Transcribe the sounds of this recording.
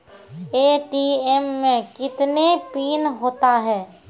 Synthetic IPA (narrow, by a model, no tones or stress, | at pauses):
eːʈiɛmːẽkɪt̪nepiːnɦoːt̪aɦɛː